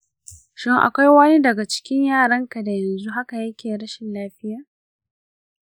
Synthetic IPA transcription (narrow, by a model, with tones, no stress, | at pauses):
ʃɪ˦ŋʔa̰˨kʷa˦jwɐ˦ni˦dɐ˨ɡa˨t͡ʃɪ̥˦kʲɪ˦ɲjaː˦˨ɽɐ˦ŋka˨da˨jɐ˨nzu˦ɦa˦ka˨jɐ˦kʲʰeː˨ɽɐ˦ʃɪ˨nlaː˦ɸɪ˦jaː˨